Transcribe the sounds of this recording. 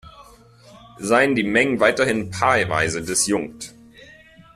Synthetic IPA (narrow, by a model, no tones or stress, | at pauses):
zaɪəndiːmɛŋənvaɪtɐhɪnpʰalva̰ɪzədɪsjʊŋkt